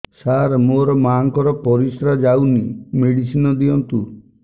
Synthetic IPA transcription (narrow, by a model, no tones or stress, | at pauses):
saɾmoɾɔmaŋkɔɾɔpɔɾisɾad͡ʒawnimeɽisinɔd̪iɔnt̪u